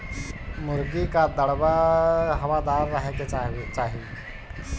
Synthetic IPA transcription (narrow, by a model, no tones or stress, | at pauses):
mʊɾɡikad̪əɽʋaɦəʋad̪aːɾːəɦeket͡ʃaːɦi